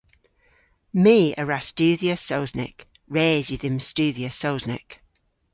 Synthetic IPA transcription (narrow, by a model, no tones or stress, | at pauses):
miːə̰ɹastʉːðiəsoʊznɪ̰k | ɹɛːzjəðɪmstʉːðiəsoʊznɪ̰k